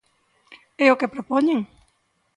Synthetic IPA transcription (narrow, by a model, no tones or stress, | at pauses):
eokepɾopoɲẽŋ